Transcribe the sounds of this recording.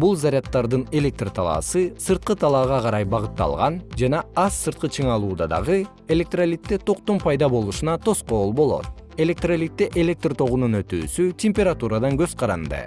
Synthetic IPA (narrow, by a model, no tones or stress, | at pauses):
bulˠzaɾʲat̪ːɑɾd̪ɯne̞lʲe̞k̚t̪rt̪ʰɑlˠɑ̰ːsɯsɯɾt̪̚qɯt̪ʰɑlˠɑʁɑqʰɑɾɑjbɑʁɯt̪ːɑ̰lˠʁɑnd͡ʒɑnɑɑsːɯɾt̪̚qɯt͡ʃʰɯɴɑlˠuːd̪ɑd̪ɑ̰ʁɯ | e̞lʲe̞k̚t̪ralʲit̪ːet̪ʰo̞qt̪ompʰɑjd̪ɑbo̞lˠuʃunɑt̪ʰo̞sqo̞ːlˠbo̞lˠo̰t̪ | e̞lʲe̞k̚t̪ralʲit̪ːeʔe̞lʲe̞k̚t̪rt̪ʰo̞ʁununø̞t̪y̰ːsytʲemʲpʲe̞ɾat̪uɾad̪ɑŋɡø̞z̥qʰɑɾɑnd̪ɯ̰